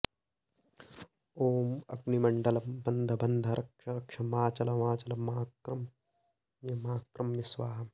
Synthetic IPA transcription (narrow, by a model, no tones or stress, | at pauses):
oːmɐɡnimɐɳɖɐlɐbɐnd̪ʱɐbɐnd̪ʱɐɾʔɐkʂɐɾɐkʂɐmaːt͡ʃɐlɐmaːt͡ʃɐlɐmaːkɾɐm | jɐmaːkɾɐmjisʋaːɦɐm